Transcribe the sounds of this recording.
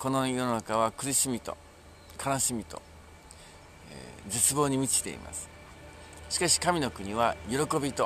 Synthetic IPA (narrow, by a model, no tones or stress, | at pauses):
ko̞no̞jo̞nonakaβ̞akɯ̟ɾiɕimʲit̪o̞̰ | kʰanoɕimʲit̪o̰ | d͡zet͡sɨbo̞ːɲ̟imʲit͡ɕi̥t̪e̞̰ḭma̰sɨ̥ | ɕi̥kaɕi̥kamʲino̞kɯ̟ɲ̟iβ̞ajo̞ɾo̞ko̞bʲit̪o